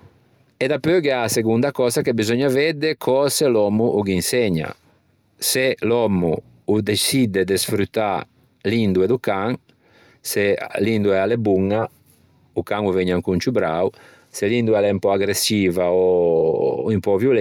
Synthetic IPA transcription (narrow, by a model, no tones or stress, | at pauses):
ed̪apøɡeaseɡund̪akɔzakebizɔɲavɛd̪ekʰɔselɔmuʔuɡinsɛɲa̰ | selɔmu | ud̪esid̪ed̪esfɾut̪ːa | lind̪ued̪ukaŋ | selind̪uɛalebuŋa | ukaŋuveɲaŋkunt͡ʃubɾa̰w | selind̪uɛlɛmpɔaɡɾesiːvao | impɔvjul